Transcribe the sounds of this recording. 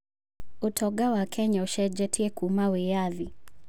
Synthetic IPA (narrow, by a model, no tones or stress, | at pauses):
utʰɔɡawakʰɛɲauʃɛd͡ʒɛtʰiɛkumawɛjaði